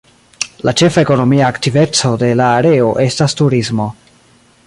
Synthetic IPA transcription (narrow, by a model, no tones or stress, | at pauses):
lat͡ʃe̞fae̞ko̞no̞miaːktive̞t͡so̞de̞laːɾe̞o̞ʔe̞stastuɾizmo̞